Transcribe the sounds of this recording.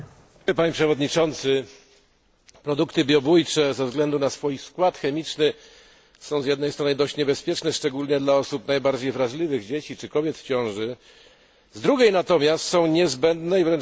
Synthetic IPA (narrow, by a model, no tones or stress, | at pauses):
ɛpaɲipʂɛvɔd̪ɲit͡ʂɔnt̪sɘ | pɾɔd̪ukt̪ɘbʲjɔbujt͡ʂɛzɛvzɡlɛnd̪unasfujskwat̪xɛmʲit͡ʂnɘ | sɔ̃w̃zjɛd̪nɛjst̪ɾɔnɘd̪ɔɕt͡ɕɲɛbɛspʲjɛt͡ʂnɛʂt͡ʂɛɡulɲɛd̪laɔsupnajbaɾd͡ʑejvɾaʐlʲivɘɣd͡ʑet͡ɕit͡ʂɘkɔbʲjɛt̪ft͡ɕɔ̃w̃ʐɘ | zd̪ɾuɡʲejnat̪ɔmʲjast̪sɔ̃w̃ɲɛzbɛnd̪nɛivɾɛn